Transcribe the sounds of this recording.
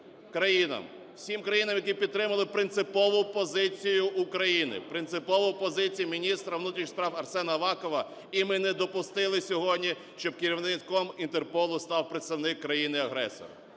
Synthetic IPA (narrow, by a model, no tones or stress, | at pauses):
kɾɐjinɐ̰m | wsʲimkɾɐjinɐmjɐk̬ʲipʲid̪tːɾɪmɐlˠɪpɾɪnt̪sɪpɔʋʊpɔzɪt͡sʲijʊʊkɾɐjinɪ̰pɾɪnt̪sɪpɔʋʊpɔzɪt͡sʲijumʲinʲist̪ɾɐwnut̪ɾʲit͡ʃspɾɑwɐrsɛnɐʋɑkɔʋɐ | imɪnɛd̪ɔpʊst̪ɪlˠɪsʲɔɦɔdʲnʲi | ʃt͡ʃɔb̚kɪɾʲiwnɪkɔmint̪erpɔlˠʊst̪ɑwpɾet̪st̪ɐwnɪkːɾɐjinɪɐɦɾɛ̰sɔ̰ɾɐ̰